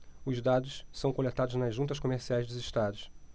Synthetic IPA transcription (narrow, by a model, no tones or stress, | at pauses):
ʊzd̪ad̪ʊssɐ̃w̃kolet̪ad̪ʊznɐzʒũnt̪̬ɐʃkomeɾsiajzd̪ʊzɪʃt̪ad̪ʊs